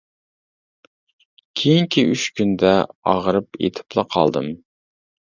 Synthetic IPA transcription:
kʲʰejiŋkʲʰiyt͡ʃkʲʰynd̪ɛɑʁɾɨpḛt̪ʰɪ̥plˠɨqʰɑ̰lˠd̪ɨm

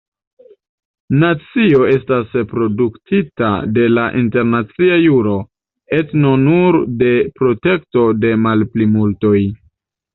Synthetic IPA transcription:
nat͡sio̞e̞staspɾo̞duktʰita̰de̞laʔinte̞ɾnat͡siajuɾo̞ | e̞tnonuɾde̞pɾo̞te̞kto̞de̞malplimulto̞j

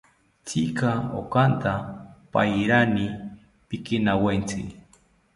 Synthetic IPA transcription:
t͡sikao̰kant̪apa̰jɾani | pɪkɪnawant͡sɪ

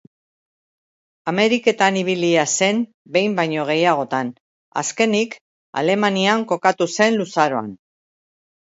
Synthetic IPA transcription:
ame̞ɾike̞t̪aniβ̞iliase̞m | be̞jmbajɲo̞ɣ̞e̞jaɣ̞o̞t̪an | a̰ske̞nik | a̰le̞maniaŋko̞kat̪use̞nlusaɾo̞a̰n

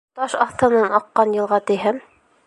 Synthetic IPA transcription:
t̪ɑʃɑθt̪ɤ̆nɤnɑqːɑnjɤ̆lˠʁɑt̪ĭɦɘm

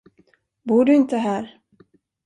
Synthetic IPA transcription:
buːɖɵɪnt̪əɦæːɾ

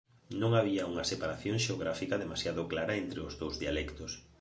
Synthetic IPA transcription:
nõŋaβ̞iauŋasepaɾaθjoŋʃeoɣ̞ɾafikaðemasjaðoklaɾaent̪ɾeozðowzðialɛkt̪os

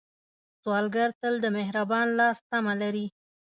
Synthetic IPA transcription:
swɑlɡaɾt̪əld̪əmɪɦɾabɑnlɑst̪amalaɾi

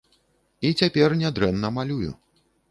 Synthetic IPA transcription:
it͡sʲapʲɛrnʲɛd̪ɾɛnːɐmalʲujṵ

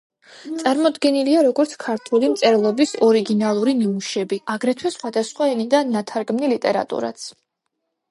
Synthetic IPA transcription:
t̪sʼaɾmɔd̪ɡɛniliaɾɔɡɔɾt̪sʰkʰaɾt̪ʰulimt̪sʼɛɾlˠɔbisɔɾiɡinalˠuɾiniuʃɛbiaɡɾɛt̪ʰwɛsχwad̪asχwaɛnid̪aːat̪ʰaɾɡmnilit̪ʼɛɾa̰t̪ʼṵɾa̰t̪sʰ

